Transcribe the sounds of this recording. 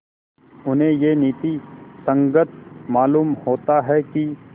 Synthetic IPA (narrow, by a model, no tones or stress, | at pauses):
ʊnɦẽjeniːt̪isə̃ŋɡət̪̚ʰmaːluːmhoːt̪aɦɛki